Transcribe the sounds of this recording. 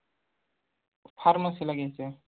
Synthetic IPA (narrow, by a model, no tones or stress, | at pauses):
pʰaɾmasilaɡise